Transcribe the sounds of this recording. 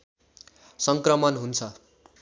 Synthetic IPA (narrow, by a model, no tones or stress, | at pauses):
sʌŋkrʌmʌnɦunt͡sʰʌ